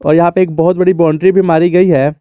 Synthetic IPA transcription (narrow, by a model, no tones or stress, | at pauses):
ɔ̰ːɾjɐɦãpeeːk̚bɔɦʊt̪̚bɐɽibɔːɳɖɾibʱimaːɾiɡɐiɦɛː